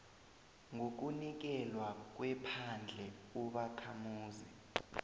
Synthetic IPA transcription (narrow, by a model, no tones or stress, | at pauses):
ŋok̬unik̬ɛlwak̬wɛpʰand͡ɮʱɛuɓakʰamuːzi